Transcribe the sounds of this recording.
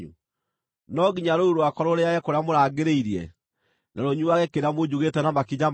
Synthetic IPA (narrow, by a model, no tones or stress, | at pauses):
ṵ | nɔɡiɲaɾouɾwakɔɾoɾeajɛkoɾeamoɾaːɡeɾeiɾiɛ̰ | naɾoɲuaɣɛkeɾeamod͡ʑuɣetɛnamakiɲam